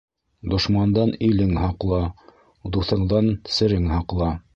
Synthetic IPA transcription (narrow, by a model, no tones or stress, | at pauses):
d̪ŏʃmɑnd̪ɑnilɘŋhɑqlˠɑ | d̪uθɤ̆ɴd̪ɑnsɘ̆ɾɘŋhɑqlˠɑ